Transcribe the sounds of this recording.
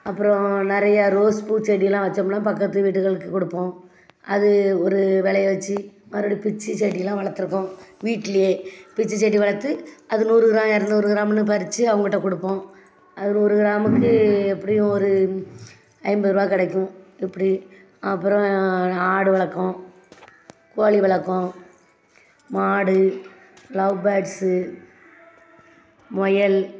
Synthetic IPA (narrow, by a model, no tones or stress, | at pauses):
ɐpːɯɾɔ̃nɪɾɐjɐɾoːspuːʈt͡ʃeːʈ̬ːɪlãːʋɐt͡ʃːɐmnãːpɐkːɐt̪ːɯʋiːʈːɯɣɐɭɯkːɯkɔɽɯpːõː | ɐðɯɔɾɯʋɛɭɐjʋɐt͡ʃːɯ | mɐɾoːɽijpɪt͡ʃːɯseːʈ̬ːɪjlːãːʋɐɭɐt̪ːɯɾɯkːʊ̃ʋiːʈːɪlɐjeːpɪt͡ʃːɯt͡ʃeːʈ̬ːiʋɐɭɐt̪ːɯʔɐðɯnuːɾɯɡɪɾaːmɛɾɐnd̪uːɾɯɡɪɾaːmnːɯp̬ɐɾɪt͡ʃːɯɐʋɐŋɡɐɪʈːɐ̃kɔɽɯpːõː | ɐðɯnuːɾɯɣɪɾaːmɯkːɯɛpːɐɽɪjʊ̃ɔɾɯ | ɐɪmbɯɾɯʋaːkɪɽɐkːʊ̃ɪpːɐɽi | ɐpːɯɾɔ̃aːɽɯʋɐɭɐkːɔ̃ | koːɭiʋɐɭɐkːõ | maːɽɯ | lɐbaːʈsɯ | mɔjɐl